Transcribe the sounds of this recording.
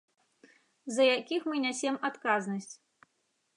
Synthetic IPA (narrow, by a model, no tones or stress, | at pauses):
zɐjakʲixmɨnʲasʲemat̪kaznɐsʲt͡sʲ